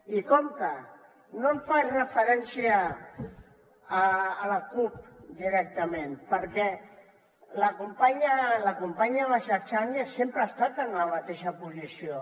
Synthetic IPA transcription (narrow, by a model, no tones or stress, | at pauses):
ikɔmt̪ə | nõmfarəfəɾɛnsiə | ləkup̚d̪iɾɛk̚t̪əmẽnpəɾkɛ | ləkumpaɲələkumpaɲaβaʃaɾt͡ʃanəsempɾəaːst̪at̪ənləmat̪eʃəpuzisio